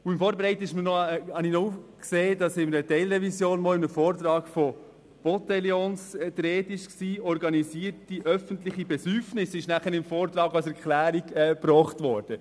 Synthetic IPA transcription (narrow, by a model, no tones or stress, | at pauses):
ʊɪmfɔːɾbeɾɛɪtəɪʃmənɔhɑninɔufkseːdɑsɪməɾətɛɪlɾɛvisjoːnmɔːɪmnəfɔːrt̪ɾɑːɡ̥fɔ | b̥ɔt̪ɛljoːnst̪ɾeːtɪʃksiːɔɾɡɑnisiːəɾtiʔœfənt̪lɪχibɛsyɾfnɪsːɪʃnæχənɪmfɔːɾt̪ɾɑːɡɑsɛɾklæːɾiɡɛːpɾɔːχtʋɔːɾd̥ə